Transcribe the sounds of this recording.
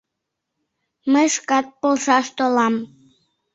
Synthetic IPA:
məjʃkɑt̪̚polˠʃɑʃt̪olɑm

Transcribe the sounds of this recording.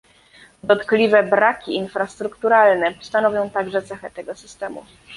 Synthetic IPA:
d̪ɔt̪klʲivɛbɾakʲiːnfɾast̪ɾukt̪uɾalnɛst̪anɔvʲjɔ̃w̃t̪aɡʐɛt̪sɛxɛt̪ɛɡɔsɘst̪ɛmṵ

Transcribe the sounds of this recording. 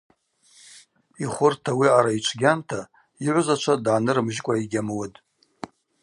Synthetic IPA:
iχʷʊrtʰawiaɾait͡ʃʷʰɡʲantʰa | iʕʷzat͡ʃʷʰadʕanɨɾmʒkʷʼaiɡʲamwatʼ

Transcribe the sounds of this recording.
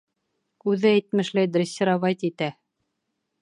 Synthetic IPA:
ʉðɘæjt̪mɘ̆ʃlæjd̪ɾʲɘsʲːeɾɑβɑjt̪it̪æ

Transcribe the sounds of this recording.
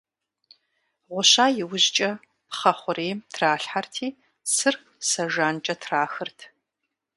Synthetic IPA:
ʁʷʊɕaːjɪwʊʑt͡ʃʼɐ | pχɐχʷʊɾeːmtʰraːɬħartʰiː | sɨr | sɐʒaːnt͡ʃʼɐtʰraːxɨrtʰ

